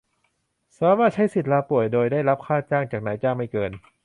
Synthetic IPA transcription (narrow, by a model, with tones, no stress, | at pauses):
saː˧˦˨waː˥˩t͡ɕʰa˦˥jsi˨˩t̪̚laː˧pu˨˩əjdoː˧jdaː˥˩jɾa˦˥p̚kʰaː˥˩t͡ɕaː˥˩ŋt͡ɕaː˨˩k̚naː˩˦jt͡ɕaː˥˩ŋma˥˩jkɤː˧n